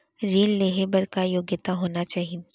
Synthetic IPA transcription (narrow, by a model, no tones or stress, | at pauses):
ɾeːlːeːɦebəɾkajoːɡjɪt̪aɦoːnat͡ʃaːɦi